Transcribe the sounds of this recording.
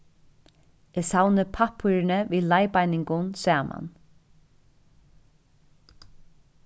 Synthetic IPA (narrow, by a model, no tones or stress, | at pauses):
ɛsawnəpʰapʰːuɾɪnəviːlajpajnɪŋkʊnsæːmʔa̰n